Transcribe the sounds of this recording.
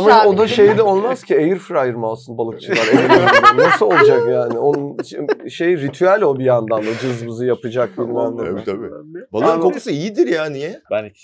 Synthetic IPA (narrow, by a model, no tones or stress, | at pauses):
amaod̪aʃe̞jd̪ɛo̞lˠmazcʰiejiɾfɯɾajɯɾmalˠsɯnbalˠɯk̚t͡ʃʰɯlˠaɾeiɾnasɯolˠad͡ʒakjaːnɪonunʃejɾit̪ʰyælʲo̞bijand̪and̪ad͡ʒɯzmɯzɯjapɯd͡ʒak̚bilʲmænd̪ibalˠamoksɯijid̪iɾjaːnijɛbn